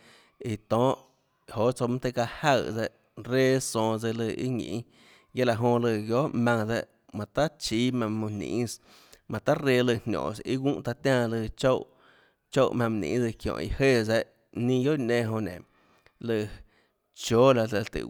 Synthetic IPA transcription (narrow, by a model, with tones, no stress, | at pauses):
i˨t̪ɔ̃ː˦ʔ | ho˨ʔt͡so˧mã˦t̪e˧ka˧ha˦˧˨d͡zɛ˧ʔ | ɾe˦sɔ̃ː˧d͡ze˧lɨ˧ḭ˦ŋḭ̃˨ʔ | je˦la˨ʔɦõ˧lɨ˧˨ɡjo˦ʔmã˧ŋd͡za˧ʔ | mã˨t̪a˦t͡ʃi˦mã˧mõ˧nḭ̃˨˦s | mã˨t̪a˦ɾe˦˧lɨ˧hnʲõ̰ː˨sḭ˦wũ˦ʔt̪a˧t̪ʲãː˧lɨ˧t͡ʃo˦w | t͡ʃo˦wmã˧m˨nḭ̃ː˨˦d͡zɨ˧kjɔ̰̃˨ḭ˧he˦˨d͡zɛ˧ʔ | nĩ˦˧jo˦ʔnẽ˧ɦõ˧nḛ̃˨ | lɨ˧˨ | t͡ʃoː˦la˧la˧t̪ɨ̰˨